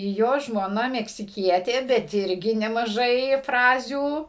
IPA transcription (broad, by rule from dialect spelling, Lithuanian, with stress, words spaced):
ˈjoː ʒmoːˈnɐ mʲɛksʲɪˈkʲiɛtʲeː bʲɛt ˈɪrʲɡʲɪ nʲɛmɐˈʒɐɪ ˈfrɑːzʲuː